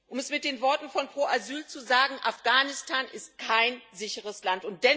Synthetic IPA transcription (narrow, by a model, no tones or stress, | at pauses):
ʔʊmɛsmɪt̚d̥eːnvɔɐtn̩fɔnpʁ̥oːʔazyːlt͡suzaːɡŋ̩ʔafɡ̥aːnɪstʰaːnʔɪst̚kʰaɪnzɪçəʁ̞əslantʊnt̚d̥ɛ